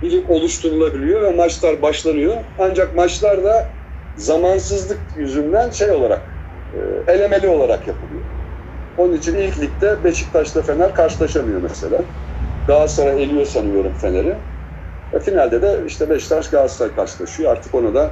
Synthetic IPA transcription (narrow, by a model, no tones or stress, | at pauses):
bilʲimo̞lˠuʃt̪ʰunulˠabilʲijo̞vɛmat͡ʃlˠaɾbaʃlˠanɯjo̞and͡ʒak̚mat͡ʃlˠaɾd̪a | zamansɯzlˠɯk̚jyzynd̪ænʃe̞jo̞lˠaɾa̰k̚ | ɯ̰e̞lʲe̞me̞lʲio̞lˠaɾakjapʰɯlˠɯjo̰ | o̞nunit͡ʃʰinilʲclʲic̚t̪ʰɛbe̞ʃi̥c̚t̪ʰaʃlˠɯfe̞næɾkʰaɾʃɯlˠaʃamɯjo̞mɛse̞lʲaɡaːzsaɾae̞lʲijo̞sanɯjo̞ɾumfe̞naɾɪ | vɛfinalʲd̪ed̪ɛiʃt̪ʰɛbɛʃt̪ʰaʃɡaːz̥sajkʰaɾʃɯlˠaʃɯjoa̰ɾt̪ʰɯ̥ko̞nad̪a